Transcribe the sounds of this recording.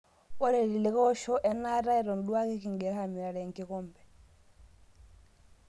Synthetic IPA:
ɔ˦ɾe˨ɾi˨li˨kɔ˦ʃɔ˦ʔɛ˨na˦ɾa˦i˨ɾɔ˨ndu˦a˦ke˦ki˨ŋɡɛ˨ɾha˨mi˨ɾa˨ɾɛ˨ŋki˨˦kɔ˦mbɛ˨

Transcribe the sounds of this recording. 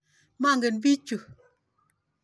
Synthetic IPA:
ma˦˨ŋɡe˨n˦bi˦t͡ʃu˨

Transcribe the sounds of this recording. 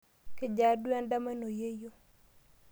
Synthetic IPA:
ke˦d͡ʒa˨dwɛ˦nda˦ma˦no˨je˦jo˦

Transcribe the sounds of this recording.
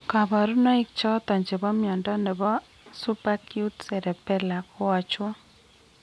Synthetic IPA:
ka˨ba˨ɾu˦nɔ˦i˦k̚t͡ʃɔ˦t̪ɔ˨ɲd͡ʒe˨bɔ˦mjɔ˨ndɔ˦nɛ˨bɔ˦ | su˦pa˦kju˦tsɛ˨ɾɛ˨pɛ˦la˨ko˦wa˦t͡ʃʊ˦

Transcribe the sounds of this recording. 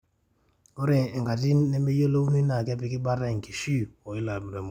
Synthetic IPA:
ɔ˦ɾɛː˨ŋka˨ti˦nː˦ɛ˦me˦jo˦lo˦u˦ni˦na˨kɛ˦pi˨ki˦ba˦ta˦i˨ki˨ʃi˦ɔ˨i˦la˨bu˨ɾɛ˨m˨

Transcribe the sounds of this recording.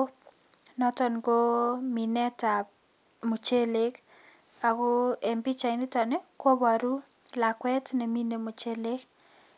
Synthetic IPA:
nɔ˦tɔ˨nɡo˦mi˨nɛ˦ta˨ | mu˨t͡ʃe˦le˦k | a˨ko˦e˨mbi˦t͡ʃa˨ɪ˨ni˦tɔ˨ne˦kwo˦ba˨ɾu˦ | la˨kwɛ˦tne˨mi˦ne˨mo˨t͡ʃe˦le˦k

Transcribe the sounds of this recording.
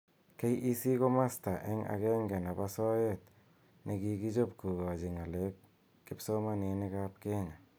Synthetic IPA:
ke˦jʔisi˦ko˦ma˦sta˨ʔe˦ŋa̰ke˦ŋɡe˨na˨pasɔ˦jet | ne˨kiki˦d͡ʒo˦p̚ku˨ɡa˨d͡ʒi˨ŋa˨lekː | ɪpsomane˧ne˦kap̚ke˦ŋa˨

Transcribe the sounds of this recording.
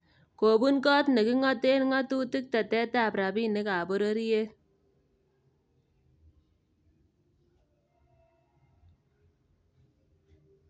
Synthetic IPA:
ko˨bu˦nkɔ˦tne˨kɪ˦ŋɔ˦te˦nŋɔ˦tu˦tɪ˦k̚ta˨tɛ˦ta˦˨pɾa˨pi˦ne˨˦kaː˨bo˦ɾe˦ɾi˦je˦

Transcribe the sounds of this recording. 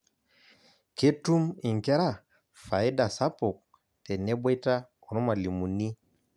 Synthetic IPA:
ke˦tu˦mi˨ŋ˨kɛ˦ɾa˦˨ | fa˨i˦da˨sa˦pɔ˨k̚ | tɛ˨nɛ˦be˦ta˦kɔ˨nɔ˦ma˨li˨mu˨ni˦

